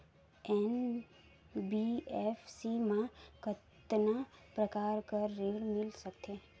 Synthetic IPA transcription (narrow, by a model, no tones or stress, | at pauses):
ɛn | biɛfsimãkət̪napɾəkaɾkəɾːelmɪlʃəkt̪ʰe